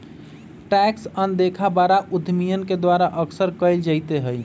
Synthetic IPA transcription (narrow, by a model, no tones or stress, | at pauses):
ʈɛksənd̪ekʰabaɾaʔud̪ʱmijənked̪waɾaʔəksəɾkəɪld͡ʒəjt̪eɦəj